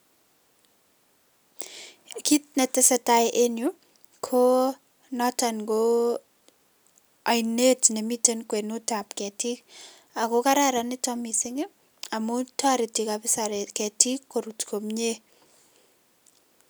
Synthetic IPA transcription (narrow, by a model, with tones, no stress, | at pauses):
ki˦t̚nɛ˨te˦sɛ˨taʔenjo | kʰo | nɔtanɡo | a˨jne˦tne˨mi˦tenkwe˨no˦tap̚kɛ˨tik | a˨koka˦ɾa˦ɾanɪtɔmisɪŋe | a˨mo˦tʰɔ˦ɾɪ˨tikapɪ˦saɾekɛ˨ti˦kːo˨ɾutkʰo˨mɲe˦